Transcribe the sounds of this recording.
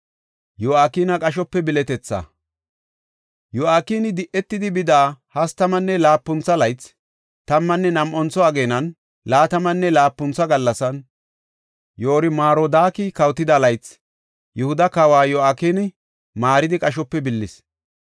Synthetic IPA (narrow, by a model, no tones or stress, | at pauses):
jɔaːkiːnɐkʼɐʃ̬ɔpːɛbɪlɛt̪ɛt͡sːɐ̰ | jɔaːkiːnɪd̪ɪʔɛt̪ːɪd̪ɪbɪd̪aːhɐst̪ɐmɐnːɛlaːpːʊnt͡sːɐlɐjt͡s | t̪ɐmːɐnːɛnɐmʔɔnt͡sɔɐɡe̞ːnɐn | laːt̪ɐmɐnːɛlaːpːʊnt͡sːɐɡɐlːɐsɐn | joːɾɪmaːɾod̪aːkikɐwt̪ːɪd̪alɐjt͡s | jɛhʊd̪ɐkawaːjɔaːkinɪ | maːɾɪd̪ɪkʼɐʃ̬ɔpːɛbɪlːɪs